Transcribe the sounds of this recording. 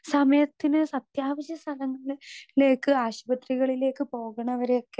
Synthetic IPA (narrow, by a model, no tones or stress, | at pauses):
sɐmɐjɐt̪ːinɨsɐt̪jaːʋɐɕjɐst̪ʰɐlɐŋːɐɭile̞ːkːɨaːɕbɐt̪riɣɐɭile̞ːkːɨpo̞ːɣɐɳɐʋɐɾejokːe